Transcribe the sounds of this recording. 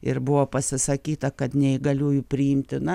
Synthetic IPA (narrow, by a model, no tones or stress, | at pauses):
ɪrbʊʋoːpɐsʲɪsɐkʲiːt̪ɐkɐt̪nʲɛɪɡɐlʲuːjʊpʲɾʲɪɪmʲt̪ʲɪnɐ